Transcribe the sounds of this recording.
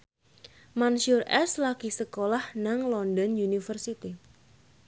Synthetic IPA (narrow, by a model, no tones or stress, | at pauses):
mansurʔɛslakisəkolahnaŋlɔndɔnjunifərsit̪i